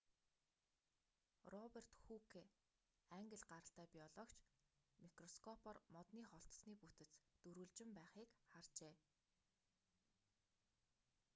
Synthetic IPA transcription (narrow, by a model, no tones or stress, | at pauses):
rɔper̥t̪xukʰe | æŋɡə̆ɮɢaɾə̆ɬt̪æːpʲiɔɮɔkt͡ɕmikrɔskʰɔpɔrmɔt̪niːχɔɬt̪sniːput̪ɘ̆t͡st̪ɵɾuːɮt͡ɕɪ̆mpæːχiːkχart͡ɕeː